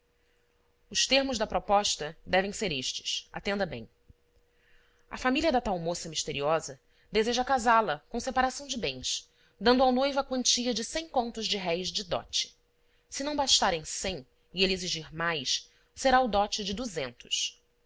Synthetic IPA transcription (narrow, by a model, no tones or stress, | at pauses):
ʊʃt̪eɾmʊʒd̪ɐpɾɔpɔʃt̪ɐd̪ɛvẽj̃seɾeʃt͡ʃɪ̥sa̰t̪ẽnd̪ɐbḛ̃j̃ | ɐfamiliɐd̪ɐt̪awmosɐmiʃt̪eɾiɔzɐ | d̪ezeʒɐkazalɐkõw̃sepaɾasɐ̃w̃d͡ʒɪbẽj̃s | d̪ɐ̃nd̪ʊawnojvʊɐkwɐ̃nt͡ʃiɐd͡ʒɪsẽj̃kõnt̪ʊʒd͡ʒɪɦɛjzd͡ʒɪd̪ɔ̰t͡ʃɪ̥ | sɪnɐ̃w̃baʃt̪aɾẽj̃sẽj̃ | ɪeleziʒiɾmajs | seɾaʊd̪ɔt͡ʃɪd͡ʒɪd̪uzẽnt̪ʊ̥ʃ